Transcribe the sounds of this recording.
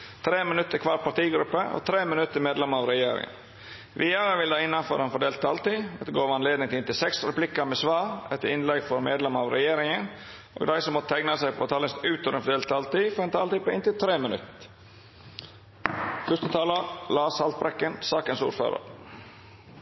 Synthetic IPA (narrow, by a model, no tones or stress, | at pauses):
t̪ʰɾeːmɪnʉt̪ːəkʰʋɑːɾpʰɑʈ̪iːɡɾʉpːəo̰t̪ʰɾeːmɪnʉt̪ʰːəmeːd̪lɛməɑːʋɾɛjeːɾɪ̰ŋə̰n | ʋʔɪːɑɾəʋɪld̪æɪɪnːɑnfɔɾɛnfɔɖeːlt̪̚ːʰɑlt̪iːɑt̪ːəɡoːʋɑnleːd̪nɪŋt̪ɪɪnt̪ɪlsɛksɾɛplɪkːəmɛsʋɑːɾɛt̪ːəɪnlɛɡfɔɾmeːd̪lɛməɑʋɾɛjeːɾɪŋən | ʔo̰ːɡd̪æɪsɔmɔt̪t̪ʰæɪnɑsæɪpʰɔt̪ʰɑːlɪst̪ʉːt̪ɔʋɾɛnfɔɖ̪eːlt̪ʰɑːlt̪iːfɔɾɛnt̪ʰɑːlt̪iːpoɪnt̪ɪlt̪ʰɾeːmənʉ̰t̪ | fœʂt̪ət̪ʰɑːləlɑːshɑlt̪̚bɾɛkːənsɑːkənsṵːɾfø̰ːɾə̰ɾ